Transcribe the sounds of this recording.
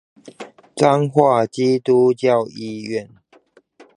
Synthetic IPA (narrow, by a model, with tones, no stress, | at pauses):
t͡sa˦ŋxwa˥˨t͡ɕi˦t̪u˦t͡ɕjɑ˥˨ʊi˧˨ɥɛ˥˨n